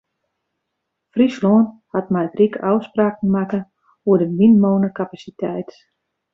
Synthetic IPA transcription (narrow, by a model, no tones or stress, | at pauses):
frisloːnhatmɛjtrikɔwspraːkn̩makə | uədəʋinmoːnəkapasitʰɛjt